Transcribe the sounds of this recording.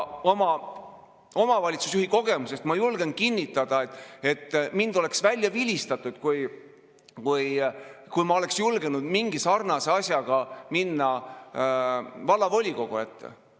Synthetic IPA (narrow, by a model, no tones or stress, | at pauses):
o̞mɑ | o̞mɑvɑlʲit̪su̥sjuhiko̞ɡ̥e̞muse̞st̪mɑjulɡ̥enkinʲːit̪ːˑɑd̪̥ɑet̪ːˑe̞t̪ːmind̪̥o̞le̞ksvælʲːjɑvilʲist̪ɑt̪ˑːud̪̥kuj | kuj | kujmɑo̞le̞ksjulɡenud̪̥miŋɡ̥isɑrnɑseɑsʲjɑɡ̥ɑminːɑ | vɑlːɑvo̞lʲiko̞ɡ̥ue̞t̪ːḛ